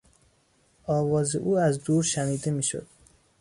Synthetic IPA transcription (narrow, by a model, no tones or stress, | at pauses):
ɒːvɒːzḛʔuːæzd̪uːɾʃæniːd̪emiːʃo̰d̪̥